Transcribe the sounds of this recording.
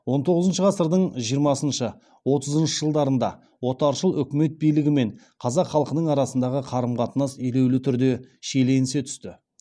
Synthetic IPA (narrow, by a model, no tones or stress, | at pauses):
wo̞nt̪ʰo̞ʁəzənʃəʁɑsəɾd̪əɴʒijəɾmɑsənʃə | wo̞t̪əzənʃəʒəlˠd̪ɑɾənd̪ɑ̰ | wo̞t̪ɑɾʃəlˠʏkʲɪme̞t̪̚bijlɪɡʲɪme̞ɴ | qʰɑzɑqχɑlˠəqənəɴɑɾɑsənd̪ɑʁəqʰɑɾəmqɑt̪ənɑsele̞wlɪt̪ʰʏɾd̪e̞ʃele̞nɪse̞t̪ʰʏ̥st̪ɪ